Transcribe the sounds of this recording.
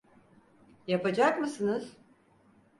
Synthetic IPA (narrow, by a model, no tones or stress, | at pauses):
japad͡ʒakmɯsɯnɯz̥